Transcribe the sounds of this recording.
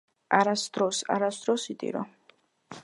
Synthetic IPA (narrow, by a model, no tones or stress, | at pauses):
aɾasd̪ɾɔsa̰ɾasd̪ɾɔsit̪ʼḭɾɔ̰